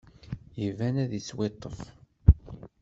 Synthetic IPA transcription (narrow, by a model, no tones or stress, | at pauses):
jivænæðiswet̪ˤːəf